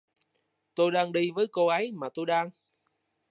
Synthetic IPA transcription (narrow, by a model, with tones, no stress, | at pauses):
t̪o˧jɗaː˧ŋɗi˧vəː˨˦jko˧ʔə˨˦jmaː˨˩t̪o˧jɗaː˧ŋ